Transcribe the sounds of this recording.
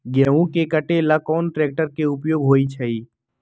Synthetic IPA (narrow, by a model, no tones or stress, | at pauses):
ɡɛːũkekəʈelɐkɔːnʈɾeːk̚ʈəɾkeʊpjoːɡɦoːit͡ʃʰɐiː